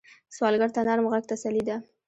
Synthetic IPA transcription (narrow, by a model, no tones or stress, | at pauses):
swɑlɡaɾt̪anaɾmɣaɡ̚t̪asalid̪a